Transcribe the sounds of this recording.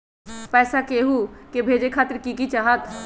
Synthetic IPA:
pɛːsakeɦukebʱeːd͡ʒekʰaːt̪ɪɾkikit͡ʃaːɦət̪

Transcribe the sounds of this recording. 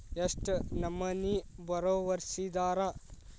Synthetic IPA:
jɐsʈnɐmɐnibɐɾoːʋɐɾsiːd̪aːɾa

